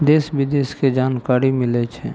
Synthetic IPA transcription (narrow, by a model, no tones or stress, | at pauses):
d̪eːsʋɪd̪eːsked͡ʒaːnkaːɾimɪlet͡ʃʰɛ